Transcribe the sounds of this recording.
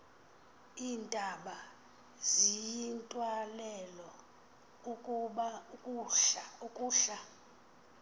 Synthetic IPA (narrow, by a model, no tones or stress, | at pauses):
iːndʼʱaɓa | zijintʼwalɛlɔ | ukʼuɓaukʼuukʼuːɬa